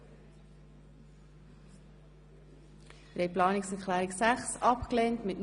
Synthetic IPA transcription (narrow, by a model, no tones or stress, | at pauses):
ɾeplɑːnɪksɛɾklæːɾɪksæχsɑpkleːntmɪtn